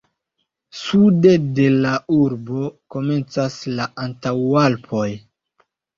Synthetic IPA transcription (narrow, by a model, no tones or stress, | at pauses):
sude̞de̞lauɾbo̞ko̞me̞nt͡saslaʔantawalpʰo̞j